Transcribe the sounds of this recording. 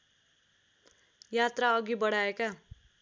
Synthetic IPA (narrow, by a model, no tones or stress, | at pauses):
jat̪raʌɡibʌɽaeka